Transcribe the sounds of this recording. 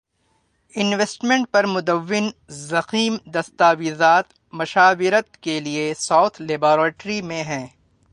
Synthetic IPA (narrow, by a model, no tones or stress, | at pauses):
ɪnʋeːsʈmẽɳʈ̚pɐɾmʊd̪əʋːɪnzɐxiːmd̪ɐst̪aːʋizaːt̪ | mɐʃaːʋɪɾət̪̚keliesaːt̪ʰleːbɔːɾeːʈɾimẽɦɛ̃ː